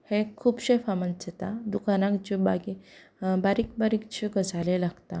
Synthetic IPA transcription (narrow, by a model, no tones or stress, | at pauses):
hekʰuːpɕefamənd͡ʑet̪ad̪ukanãkt͡ɕibaɡi | baɾikbaɾikt͡ɕeɡəd͡zalelaɡt̪a